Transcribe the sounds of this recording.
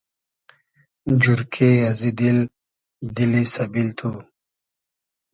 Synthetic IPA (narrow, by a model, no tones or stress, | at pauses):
d͡ʑuɾkʰeɐzid̪il | d̪ilisɐbilt̪ʰu